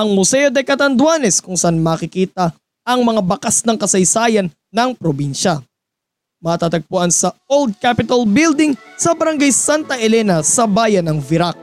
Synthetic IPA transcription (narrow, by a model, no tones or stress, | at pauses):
ʔɐŋmʊsɛjod̪ɛkɐt̪ɐnd̪waːnɛskʊŋsɐʔanmaːkɪkiːt̪ɐ | ɐŋmɐŋabɐkasnɐŋkɐsɐjsaːjɐnːɐŋpɾobinʃɐ | mɐt̪at̪ɐɡ̚pʊʔansɐold̪̚kapɪt̪ɐlbɪld̪ɪŋsɐbɐɾɐŋɡajsant̪ɐʔɛlɛnɐsɐbaːjɐnɐŋvɪɾak̚